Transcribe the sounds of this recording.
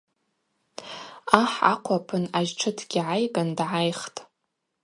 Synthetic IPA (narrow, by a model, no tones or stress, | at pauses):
aħa̰qʷʰapʰɨnaʒʈ͡ʂʰɨtʰɡʲiʕajɡʼandʕajχtʼ